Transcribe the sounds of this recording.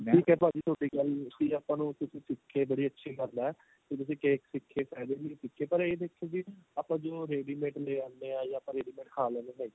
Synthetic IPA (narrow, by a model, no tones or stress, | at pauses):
ʈʰiːkɛːpaːd͡ʒiːt̪ʰoːʈiːɡəlsiːaːpãːnũːt̪ʊsĩːsɪkʰːeːbəɽiːətːʃʰiːkəɾnaɛː | k̪eːt̪̬ʊs̬ĩːkeːksɪkʰːeːsɛːd̪eːnĩːsɪkʰːeːpəɾeːd̪eːkʰːeːd͡ʒiːaːpãːd͡ʒoːɾeːɖiːmẽːʈleːãːndeːãːjaːaːpãːɾeːɖiːmẽːʈkʰaːlãːneːnãːĩː